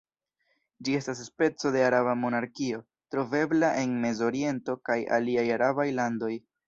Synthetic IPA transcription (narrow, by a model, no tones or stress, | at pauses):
d͡ʒie̞stas̬ːpe̞t͡so̞de̞aɾaβamo̞naɾkio̞ | tɾo̞ve̞blaʔe̞nme̞zo̞ɾie̞nto̞kaja̰liajaɾabajlando̞j